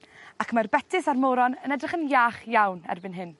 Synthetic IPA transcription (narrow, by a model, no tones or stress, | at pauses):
akʰmarbɛtʰɪsarmoɾɔnənɛdrɪχənjaːχjawnɛ̰rbɪnɦɪn